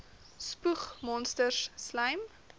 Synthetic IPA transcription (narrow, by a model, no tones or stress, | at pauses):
spuχmɔnstərsslɐjm